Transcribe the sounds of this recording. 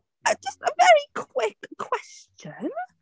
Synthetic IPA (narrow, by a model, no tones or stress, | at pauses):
ə̥ʒ̥ʌstəvɛɹikʰw̥ɪkʰw̥ɛst͡ʃə̃n